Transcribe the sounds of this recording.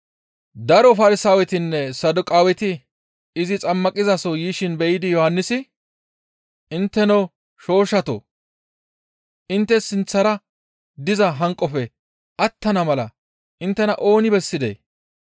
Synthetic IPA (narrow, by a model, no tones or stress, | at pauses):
d̪ɐɾɔfɐɾɪsaːwɛt̪ɪnːɛsɐd̪ʊkʼaːwɛt̪ɪ | ɪzɪt͡sʼɐmːɐkʼɪzɐsɔjiːʃɪnbɛjɪd̪ɪjɔhɐnːɪsɪ | ʔɪnt̪ːɛnɐw | ʃo̞ːʃɐt̪o̰ | ʔɪnt̪ːɛsɪnt͡sːɐɾɐ | d̪ɪzɐɦɐŋkʼːɔfɛ | ʔɐt̪ːɐnɐmɐlɐ̰ | ʔɪnt̪ːɛnɐʔo̞ːnɪbɛsːɪd̪ḛː